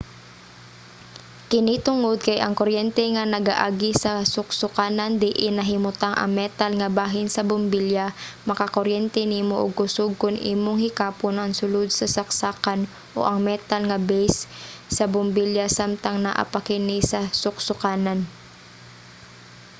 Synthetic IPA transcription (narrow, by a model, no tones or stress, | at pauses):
kɪnit̪ʊŋod̪̚kɐjʔɐ̰ŋkoɾjɛnt̪ɛŋɐnɐɡa̰ʔaɡɪsɐsʊk̚sʊkaːnɐnd̪ɪʔɪnɐɦɪmʊt̪aŋʔɐ̰ŋmɛt̪alŋɐbaːɦɪnsɐbʊmbiljamɐkakoɾjɛnt̪ɛniːmoʔʊ̰ɡ̚kʊsoɡ̚kʊnʔḭːmoŋhɪkaːponʔɐŋsʊlod̪̚sɐsɐk̚saːkan | ʔo̰ʔɐŋmɛt̪alŋɐbɛjssɐbʊmbiljasamt̪aŋnɐ̰ʔɐ̰pɐkɪnɪsɐsʊk̚sʊkaːnan